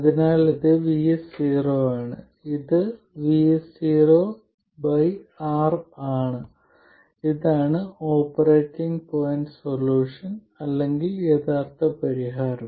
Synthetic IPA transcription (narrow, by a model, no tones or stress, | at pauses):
ɐðinaːliðɨʋijsiːroːaːɳɨ | iðɨ | ʋisiːroː | bɐjaːraːɳɨ | iðaːɳɨoːpːɐreːʈːiŋɡpoːjnɖsolːuːʂɐn | ɐlːe̞ŋɡileːt̪ʰaːrt̪ɐpɐɾiɦaːɾɐm